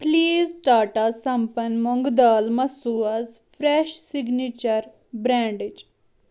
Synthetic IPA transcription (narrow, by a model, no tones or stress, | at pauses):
pliːzʈaːʈasɐ̃mpɐnmɔŋɡd̪aːlmɐsuɐzfɾeʃsiɡnit͡ʃɐɾ | bɾãːɳɖid͡ʒ